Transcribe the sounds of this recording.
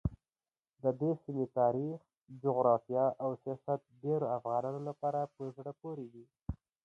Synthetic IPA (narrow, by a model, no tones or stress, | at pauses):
d̪əd̪esimet̪ɑɾix | d͡ʒʊɣɾɑfijɑʔawsijɑsat̪̚ɖeɾoafɣɑnɑnolapɑɾapəzɽapoɾed̪i